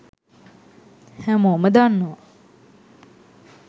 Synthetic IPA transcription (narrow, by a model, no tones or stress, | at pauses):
hæməoməd̪anːoʋa